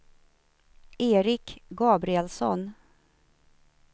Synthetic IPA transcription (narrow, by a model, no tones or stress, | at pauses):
ʔeːɾɪkɡɑːbɾɪɛlsɔ̰n